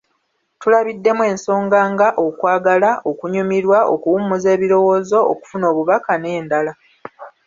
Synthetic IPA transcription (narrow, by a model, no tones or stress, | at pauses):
tulaβidːe̞mwe̞ːnso̞ːŋɡaːŋɡaʔo̞kwaːɡalaʔo̞kuɲumiɾwao̞kuwumuze̞ːβiɾo̞wo̞ːzo̞̰ːku̥funo̞ːβuβakane̞ːndala